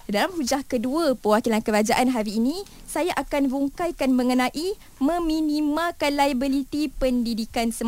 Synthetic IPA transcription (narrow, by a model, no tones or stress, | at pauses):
dalamhud͡ʒahkəduəpəwakilankəɾad͡ʒaʔanɦaɾiːnĩ | sajaʔakanɾuŋkajkanmə̃ŋənãʔi | mə̃mĩnimãkanlajbəlit̪ipəndidikansəm